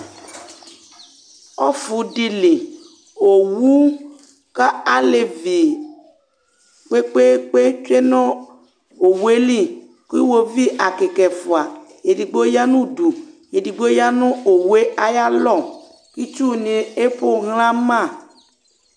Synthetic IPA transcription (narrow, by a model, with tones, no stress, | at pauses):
ɔ˦fu˨di˧li˨ | o˨wu˦ | ka˦a˦le˨vi˨ | k͡pe˦k͡pe˦k͡pe˦t͡ʃe˦nɔ̃˦ | o˨we˦li˦˨ | kwo˧vi˦ʔa˨ke˨kɛ˨fu˨a˨je˨di˨ɡ͡bo˦ja˦nũ˦˨du˨je˨di˨ɡ͡bo˦ja˦nʊ̃˦o˨we˦a˨ja˦lɔ˦˨ | ki˦t͡ʃu˦˨nĩ˧e˦po˦˨ɣl̃ã˦mã˦˨